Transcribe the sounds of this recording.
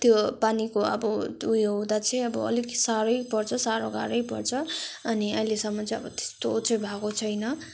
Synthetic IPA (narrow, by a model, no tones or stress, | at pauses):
t̪jopanikoʌ̰bʌujʌwd̪at͡sʰʌ̃ʌbʌʌ̰liɡsaɾʌjpʌrt͡sʰʌsaɾoɡa̰ɾʌjpʌ̰rt͡sʰʌʌniʌjlesʌmːʌt͡sʰʌ̃ʌbʌt̪e̥st̪out͡sʌjbʱakot͡sʰʌjnʌ